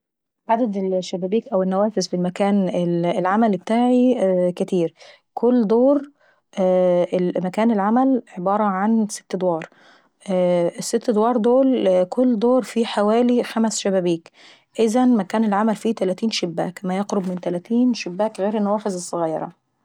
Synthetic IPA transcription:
ʕad̪æd̪elʃːæbæːbiːkʔæwenːæwæːfezfelmækæːnelelʕamælbet̪aːʕikæt̪iːɾ | kʰolːd̪oːɾ | ʔʔemækæːnelʕamælʕebɑːɾˤɑʕanse̥t̪ːd̪wɑːɾˤ | esːet̪ːd̪wɑːɾˤd̪oːlkolːd̪oːɾˤfiħawæːliħamæsʃæbæbiːk | ʔɪzænmækæːnelʕamælfiːt̪ælæːt̪iːnʃebːæːkmæjɑqɾobmɪnt̪ælæːt̪iːnʃebːæːkɣeːɾenːæwæːfezesˤːɑɣɑːɾˤɑ̰

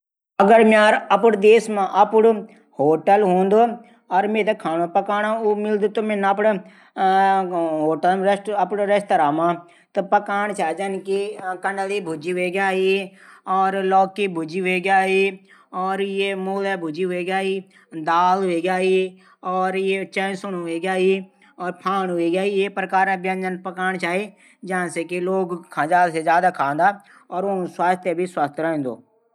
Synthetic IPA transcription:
ɐɡəɾmaːɾɐpʊɽd̪eːsmãʔɐpʊɽ | hoːʈəlɦõːnd̪oː | ɔːɾmeːt̪ekʰaːnopəkaːnãʊmɪld̪oːt̪omenapɽ | ɦoːʈəlɾeʈəpɽɾest̪əɾaːmãː | t̪opəkaːɳt͡ʃʰaːd͡ʒankikɐɳɖəlibʱʊd͡ʒiɦeɡaːɦiɔːɾlɔːkːibʱʊd͡ʒiʋeːɡaːɦi | ɔːɾjemoːlebʱʊd͡ʒiɦʊeɡaːiː | d̪aːlɦeɡjaːɦi | ɔːɾjet͡ʃə̃ːsʊnʊeɡaːi | ɔːɾpʰaːnɦʊeɡaːijepɾəkaːɾẽbjə̃nd͡ʒənpəkaːɳ̃t͡ʃaːe | d͡ʒaãsekiloːɡkʰãːd͡ʒaːlsed͡ʒjaːd̪akʰãːnd̪aː | ɔːɾʊñswaːst̪ʰjəbʱiswaːst̪ʰjɾəɦẽːnd̪o̰ː

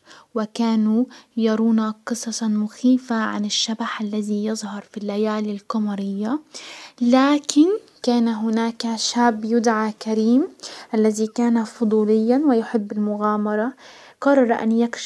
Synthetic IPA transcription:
wɪkaːnujɑɾˤuːnaqɨsˤɑsmʊxiːfaʕa̰nɪʃːabaħʔalːaðijɨðˤhɑɾˤfilːajaːlɪlqɑmɑɾɪjːa | laːkʰɪn | kaːnaɦʊnaːkaʃaːbːjʊd̪ʕakaɾiːmʔalːaðikaːnafʊd̪ˤuːlɪjːanwɪjʊħɪbːɪlmʊɣaːmɑɾˤɑ | qɑrˤːɑɾˤʔa̰njakʃ

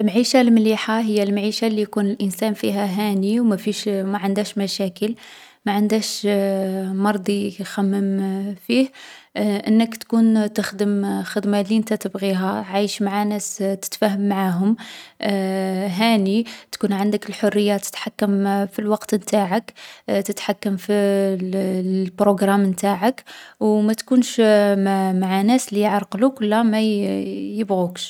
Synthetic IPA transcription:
lmaʕiʃalmliħaɦəjːælmaʕiʃalːijkunəlʔənsænfiɦæɦæniwmæfiʃmæʕənd̪æʃmæʃækəl | mæʕənd̪æʃ | mɑɾˤd̪ˤixæmːəmfih | ʔənːəkt̪kunt̪əxd̪əmxəd̪maliʔənt̪æt̪əbɣiɦæʕajʃmaʕanæst̪ə̥t̪fæɦəmːaʕaɦʊm | ɦænit̪kunʕand̪əkəlħorːəjːat̪ə̥t̪ħakːəmfilwɑqt̪mt̪aʕəkt̪ət̪ħakːəmfi | bɾoɡɾˤammt̪aʕəkwmæt̪kunʃmmaʕanæslijəʕɾˤqlukwəlːæmæ | jəbɣukʃ

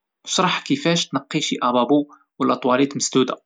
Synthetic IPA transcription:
ʃɾˤɑħkəfæʃt̪nɑqːiʃiʔæbɑbu | wlʔæt̪ˤwɑlit̪məsd̪ud̪a̰

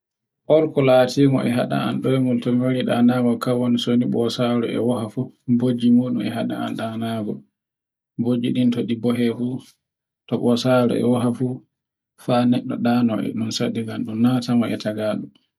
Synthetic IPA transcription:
ʔɔɾkɔlaːtʰiːmɔʔɛɦaɗa̰a̰nɗɔɛmultɔmoɾiɗanaɡɔkawɔnisoniɓɔsaɾɔʔɛ̰wahafubod͡ʒimuːɗṵmɛɦaɗa̰a̰nɗanaɡɔ | bod͡ʒiɗintoɗibɔɦɛfuː | tɔɓɔsaɾɔ̰ɛ̰waɦafu | fanɛɗːɔɗanɔʔɛ̰ɗunsaɗiɡanɗumnatamɔʔɛtʰaɡaːɗu

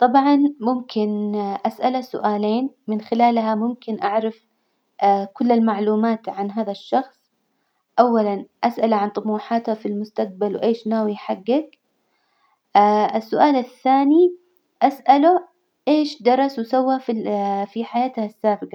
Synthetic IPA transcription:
t̪ˤɑbʕɑnmʊmkʰɪnʔasʔalasʊ̰ʔaːleːnmɪnxɪlaːlɦamʊmkɪnʔaʕɾˤɑf | kʊlːalmaʕluːmaːt̪ʕanɦaːðaʃːɑxsˤ | ʔawːalanʔasʔalʕant̪ˤʊmuːħaːt̪hafilmʊst̪aq̚balwʔeːʃnaːwiħaɡːak̚ | ʔɪsːʊʔaːlaθːaːni | ʔasʔalʊ | ʔeːʃd̪ɑɾˤɑswsawːafifiħajaːt̪hasːaːbɪqɑ

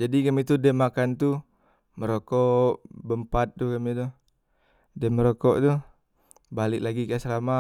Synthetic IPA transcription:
d͡ʒadikamit̪udɛmːakant̪u | məɾokɔʔbəmpat̪̚ːukamit̪u | dɛmːəɾokɔʔt̪u | balɪʔlaɡikasəɾama

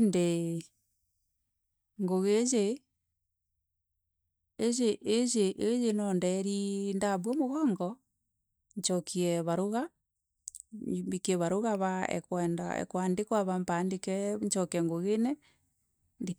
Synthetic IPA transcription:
nde | ŋɡoɣeze | ezeʔːzeʔejenɔndɛɾindaβwɔmoɣɔːŋɡɔ | ɲt͡ʃɔkʰiɛβaɾoɣa | mbikɛβaɾoɣaβaɛ̰kwɛnda̰ɛ̰kwandekwaβampandekɛɲt͡ʃɔkɛŋɡoɣenɛ | nde

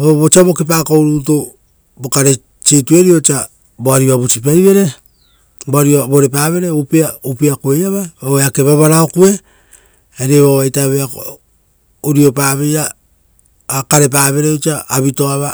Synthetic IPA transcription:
oβot͡ʃaβo̞kip̬aːkowɾuːto | bokaɾe | t͡ʃitue̞ɾiot͡ʃa | boaɾiβaβut͡ʃip̬ajβe̞ɾe̞ | boaɾiboɾep̬aːβe̞ɾeupiaupiakuejaβaβaeake̞βaβaɾaokue̞ | eɾeβaβajtaβea | uɾiopaβejaː | kaɾep̬aβe̞ɾeot͡ʃaːβitoaβa

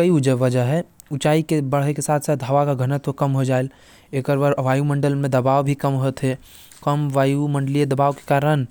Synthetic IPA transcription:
kəiʊd͡ʒəʋɐd͡ʒəɦɦɛ | ʊt͡ʃaːikebəɽ̤ɦekesaːt̪ʰsaːt̪ɦɐʋakaɡʱənət̪okɐmɦod͡ʒaːel | eːkəɾbəɾʋaːjumə̃ɳɖəlmẽd̪ɐbaːʋbʱikəmɦot̪ɦɛ | kɐmʋaːjumə̃ɳɖəlied̪ɐbaːʋke̥kaːɾən

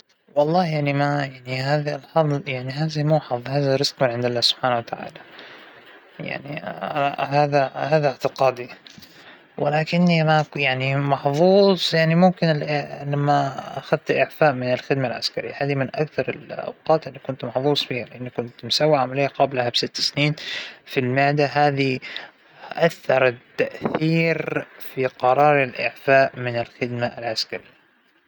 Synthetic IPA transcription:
wɑlˤːɑːhjaʕnimajaʕnihaːðilħɑðˤjaʕniɦaːðimuːħɑðˤhaːðaɾɪz̥qmɪnʕɪnd̪alːaːhsʊb̥ħaːnawat̪aʕa̰ːla | ja̰ʕni | haːðahaːðʕt̪ɪqɑːd̪i | wɪlaːkɪnːimajaʕnimɑħðˤuːsˤjaʕnimʊmkɪnɪlamːaʔaxaðt̪ʔɪʕfaːʔmɪnɪlxɪd̪malʕa̰skaɾɪjːahaːðimɪnʔakθɑɾˤɪ̰lʔa̰wqɑːt̪ʔɪnːikʊnt̪mɑħðˤuːsˤfiːhalɪʔɪnːikʊnt̪msawːiʕamalijːaqɑblhabsɪt̪ːɪ̥sniːnfilmɪʕd̪aɦaːði | ʔaθːɑɾˤt̪ːaʔθθiːɾfiqɑɾˤɑːɾˤalʔɪ̰ʕfaːʔmɪnɪlxɪd̪maa̰lʕaskaɾɪjːa

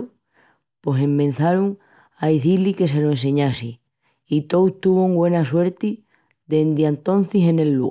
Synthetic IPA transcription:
pose̞mbẽ̞n̟θaɾuŋ | aiθilike̞s̬e̞loẽns̬e̞ɲasi | it̪o̞wt̪uβoŋɡwe̞nas̬we̞ɾt̪i | ðend̪jant̪o̞n̟θise̞ne̞lːṵ

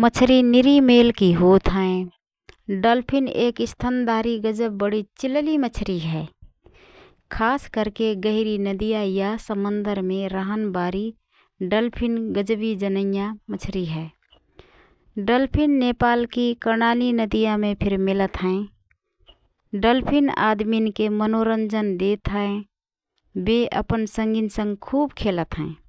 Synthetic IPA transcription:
mət͡ʃʰɾinɪɾimeːlkiɦoːt̪ɦə̃ẽ | ɖəlpʰɪneːkɪst̪ʰand̪aːɾiɡəd͡ʒəb̚bəɽit͡ʃɪllimət͡ʃʰɾiɦɛː | kʰaːskəɾkeɡəɦɪɾinəd̪ijajasəmə̃nd̪əɾmẽɾaɦənbaːɾi | ɖəlpʰɪnɡəd͡ʒbid͡ʒənəjamət͡ʃʰɾiɦɛː | ɖəlpʰɪnːeːpaːlkikəɾnaːlinəd̪ijãmẽpʰɪɾmɪlət̪ɦɛ̃ | ɖəlpʰɪna̰ːd̪minkemənoɾə̃ɲd͡ʒənd̪eːt̪ɦəɛ̃ | beʔə̰pənsə̃ŋɡɪnsə̃ŋɡkʰuːbkʰeːlət̪ɦɛ̃ː

